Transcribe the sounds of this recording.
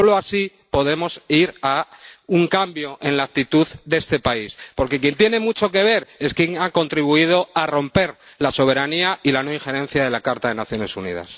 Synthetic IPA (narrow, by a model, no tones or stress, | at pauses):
oloasi | po̞ðe̞mo̞siɾauŋkambjo̞ʔẽ̞nlak̚t̪it̪uðd̪e̞st̪e̞paispo̞ɾke̞kje̞nt̪je̞ne̞mut͡ʃo̞ke̞β̞e̞ɾe̞skjeŋako̞nt̪ɾiβ̞uið̞o̞aro̞mpe̞ɾlaso̞β̞e̞ɾaniailano̞iŋxe̞ɾẽ̞n̟θjaðe̞lakaɾt̪aðe̞naθjo̞ne̞sunḭða̰s